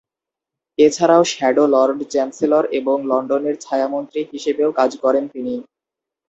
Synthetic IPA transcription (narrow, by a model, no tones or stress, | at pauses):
et͡ɕʰaɾaoʃɛɖolɔɾɖt͡ɕɛnseloɾeboŋlɔɳɖoneɾt͡ɕʰaeamont̪ɾiɦiʃebeokad͡ʑkɔɾent̪ini